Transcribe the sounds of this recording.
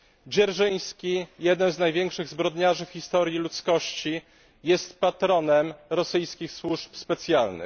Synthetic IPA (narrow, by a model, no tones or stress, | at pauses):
d͡ʑɛɾʐɘj̃skʲijɛd̪nɛmznajvʲjɛŋkʂɘɣzbɾɔd̪ɲaʐɘfxʲist̪ɔɾjilut̪skɔɕt͡ɕi | jɛst̪pat̪ɾɔnɛmɾɔsɘjskʲixswuʂpspɛt̪sʲjalnɘ̰x